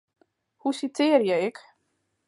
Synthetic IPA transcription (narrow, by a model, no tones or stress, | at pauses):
husitʰɪːərjɛjɛk